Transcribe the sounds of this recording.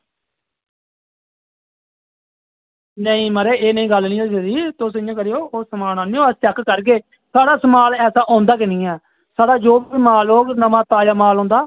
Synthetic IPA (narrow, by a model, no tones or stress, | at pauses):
nəĩːməɾeːeːnəĩːɡəlnĩːosediːt̪ʊsɪjõːkəɾejoːoːsəmaːlãːniːoːəst͡ʃɛkkəɾk̬eː | saːɽaːsəmaːlɛːsaːʔɔ̃ːnd̪aːk̬ɪnĩːɛː | saːɽaːd͡ʒoːbiːmaːloːɡnəmãːt̪aːjaːmaːlɦõːnd̪aː